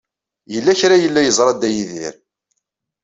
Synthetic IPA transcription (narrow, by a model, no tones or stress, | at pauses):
jəlːæçɾajəlːæjəzˤɾˤɑd̪æjiðḭɾ